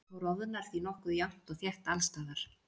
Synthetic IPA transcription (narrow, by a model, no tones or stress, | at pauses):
awɾɔvʏnaɾ̥θinɔhkʏðjawn̥t̪ɔɣθjɛht̪alst̪aːðaɾ̥